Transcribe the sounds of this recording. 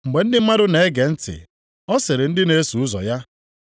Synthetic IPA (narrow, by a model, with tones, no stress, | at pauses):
ŋ͡m̩˨ɡ͡be˨n̩˦dɪ˦m̩˦ma˦dʊ˦ne˨˦ɡe˨n̩˦tɪ̰˨ | ɔ˦se˨ɾɪ˨n̩˦dɪ˦ne˦su˨ʊ˦zɔ̰˨ja˦